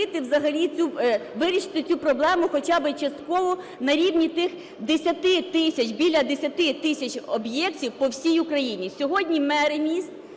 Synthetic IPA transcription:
ɪt̪ɪwzɐɦɐlʲit͡sʲuʋɪɾʲiʃɪ̥t̪ɪt͡sʲupɾɔblˠɛmʊxɔt͡ʃɑbɪt͡ʃɐst̪kɔʋɔ | nɐɾʲiwnʲit̪ɪx | d̪esʲɐt̪ɪt̪ɪsʲɐt͡ʃbʲilʲɐd̪esʲɐt̪ɪt̪ɪsʲɐt͡ʃʲɔbjɛktʲiwpɔwsʲijʊkɾɐjinʲisʲɔɦɔdʲnʲimɛɾemʲist̪

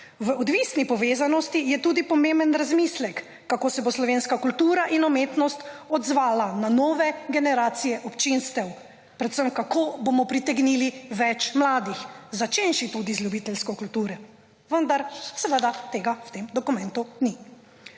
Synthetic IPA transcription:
ʋəɔd̪ʋisnipɔʋeːzanɔst̪ijɛt̪uːd̪ipɔmẽmbənɾazmislɛkː | akoːsɛboslɔʋenskakult̪uːɾaʔinɔmet̪nɔst̪ɔd̪zʋaːlananɔːʋɛɡɛnɛɾaːt̪sijɛʔɔpt͡ʃinst̪ɛw | pɾɛt̪səmkakoːbomɔpɾit̪ɛɡniliʋɛt͡ʃmlaːd̪ixzat͡ʃenʃit̪ud̪izlʲjubiːt̪ɛlskɔkult̪uːɾɛ | ʋənd̪aɾsɛʋəd̪at̪eːɡawt̪emd̪ɔkumɛnt̪uni

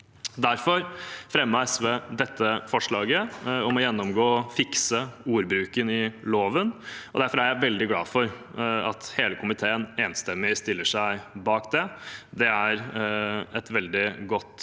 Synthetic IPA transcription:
d̪æɾfɔɾfɾɛmːəɛsʋɛd̪ɛt̪ʰːəfɔʂɭɑːɡəɔmɔjɛnːɔmɡoːfɪksəuːɾbɾʉːkənɪloːʋənɔd̪æɾfɔɾæɾjæɪʋɛld̪ɪɡlɑːfɔɾ | ɑt̪heːləkʰʊmɪt̪ʰeːəneːnst̪ɛmːɪst̪ɪlːəʂæɪbɑːkd̪ɛd̪ɛæɾ | ɛt̪ʋɛld̪ɪɡɔt̪ː

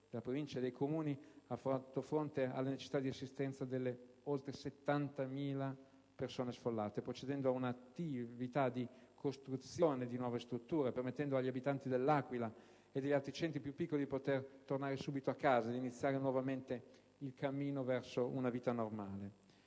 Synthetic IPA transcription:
d̪̥elapɾovint͡ʃad̪ejkʰomuːniafːat̪ofɾont̪ea̰lːenet͡ʃe̥si̥t̪ad̪iasːist̪ɛnt̪sad̪elːe | olt̪ɾeset̪ːant̪amiːla | persoːnesfolːaːt̪epɾot͡ʃed̪ɛnd̪oaunat̪ːivit̪ad̪ikʰost̪ɾut̪sːjoːned̪inwɔːvest̪ɾut̪ːuːɾepermet̪ːɛnd̪oaʎːiabit̪ant̪id̪elːaːkwila | ed̪ːeʎːalt̪ɾit͡ʃɛnt̪ɾipjupːikːolid̪ipot̪ert̪ornaːɾesuːbit̪oakːaːzad̪init̪sːjaːɾenwɔvament̪e | ilkamːiːnovɛrsounaviːt̪anormaːle

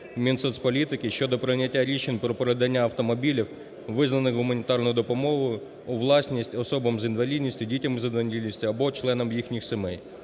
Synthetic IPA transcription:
mʲinsɔt̪sʲpɔlʲit̪ɪkɪʃʲt͡ʃɔd̪ɔpɾɪnʲɐtʲːaɾʲit͡ʃenʲpɾɔpɔɾed̪ɐnʲːaɐwt̪ɔmɔbʲilʲiw | ʋɪznɐnɪxɦʊmɐnʲit̪ɑrnɔjʊd̪ɔpɔmɔɦʊjʊ | ʊʋlˠɑsʲnʲisʲtʲɔsɔbɐmzinʋɐlʲid̪ʲnʲisʲtʲʊdʲitʲɐmɪzɐnʋɐnʲdʲid̪ʲnʲisʲtʲʊɐbɔt͡ʃlˠɛnɔmjixnʲixsemɛj

